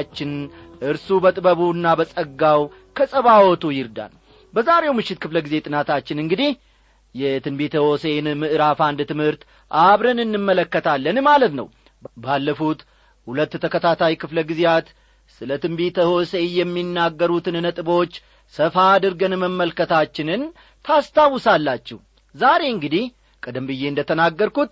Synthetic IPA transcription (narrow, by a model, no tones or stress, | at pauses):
t͡ʃːɪnʔɨɾsubət̪ʼɨbəβunːabəsʼəɡːaw | kʰəsʼəβawɔt̪ʰujɪɾd̪a̰n | bəzaɾe̞wmɨʃːɪt̪̚kʰɨfləɡize̞t̪ʼɨnat̪ʰat͡ʃːɪnɨŋɡɨd̪ih | jɛt̪ʰɨmbet̪ʰəho̞se̞nmɨʔɨɾafand̪t̪ɨmhɨɾt̪ | ʔaβɾənɨnːɨmːələkːət̪ʰalːənmalət̪nə̰w | balːəfut̪ | hulət̪ːt̪ʰəkət̪ʰat̪ʰajkɨfləɡizejat̪ | sɨlət̪ɨmbet̪ʰəho̞se̞jɛmːinːaɡːəɾut̪ɨnnət̪ʼɨbo̞t͡ʃː | səfad̪ɨɾɡənməmːəlkət̪ʰat͡ʃːɪnɨn | t̪ʰast̪ʰawːɨsalːat͡ʃːɛ̰h | zaɾe̞ɨŋɡɨd̪ih | kʰʼəd̪əmbɨjːe̞ɨnd̪ət̪ʰənaɡːəɾkut̪̚